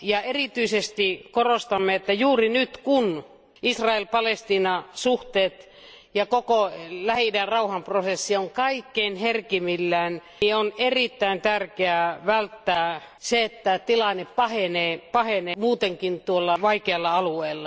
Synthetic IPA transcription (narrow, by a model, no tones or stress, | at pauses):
jɑerit̪yisest̪ikorost̪ɑmːeet̪ːæjuːrinyt̪kun | ʔisrɑelpɑlest̪iːnɑsuht̪eːt̪ | jɑkokolæhinærɑuhɑmprosesːioŋkɑikːeinherkimilːæːn | ionerit̪ːæint̪ærkeæʋælt̪ːæː | seet̪ːæt̪ilɑnːeppɑheneːpɑhenemuːt̪eŋkint̪uolːɑʋɑikeɑlːɑɑlueːlːɑ